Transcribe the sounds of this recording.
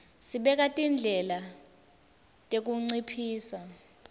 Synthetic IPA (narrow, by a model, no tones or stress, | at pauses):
siɓɛk̬atʼind͡ɮʱɛla | tʼek̬uŋ͡ǀipʰiːsa